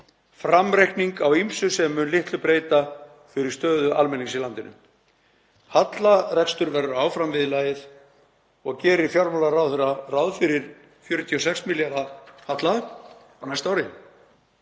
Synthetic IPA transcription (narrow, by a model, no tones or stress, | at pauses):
fɾamɾejhkniŋkawimsʏsɛmːʏnlɪht̪lʏpɾeːjt̪a | fɪɾɪ̥st̪œːðʏʔalmɛnːiŋsilant̪ɪnʏ̰m | hat̪larɛkst̪ʏɾvɛɾʏaːwfɾamvɪðɪlaːjɪθ | ɔɣcɛːɾɪfjaɾmɔlarawðθʏɾarawðfɪɾɪɾ̥ | fjœːɾʏt̪ʰiɔsɛksmiljaɾahat̪la | awnajst̪awɾɪ